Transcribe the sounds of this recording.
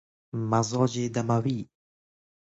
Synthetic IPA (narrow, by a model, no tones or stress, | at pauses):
mazɔd͡ʒed̪amawi